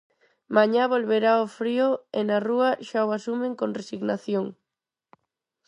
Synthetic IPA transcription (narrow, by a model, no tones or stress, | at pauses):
maɲaβolβeɾaofɾioenaruɐʃawasumeŋkonresiɣnaθjoŋ